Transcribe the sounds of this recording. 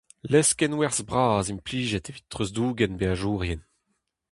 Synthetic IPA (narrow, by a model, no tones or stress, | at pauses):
lɛskɛnwɛʁzbʁaːzimpliːʒɛt̪evitt̪ːʁøzduːɡɛnbeaʒuːʁjɛn